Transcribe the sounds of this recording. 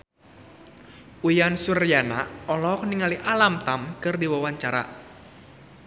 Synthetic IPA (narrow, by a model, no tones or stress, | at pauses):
ʔujansurjana̰ɔlɔk̚niŋaliʔalamt̪amkɨrdiwawaɲt͡ʃaɾa̰